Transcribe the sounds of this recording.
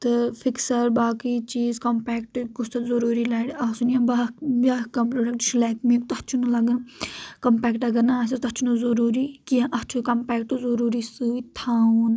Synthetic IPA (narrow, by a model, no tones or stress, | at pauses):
t̪ɨfʰiksɐɾbaːkit͡ʃiːzkɐmpɛːkʈɡust̪ɐzɐɾuːɾilɐːɽiasunjãbabaːkɐmpɾoːɖɐk̚ʈʃlaːkmĩkt̪ɐt͡ʃʰunulɐɡɐnkɐmpɛːkʈɐɡɐnasɐt̪ɐt͡ʃʰunuzɐɾuːɾiːkijãʔɐt͡ʃʰukɐmpɛːkʈuzuɾuːɾisɨit̪ʰaːun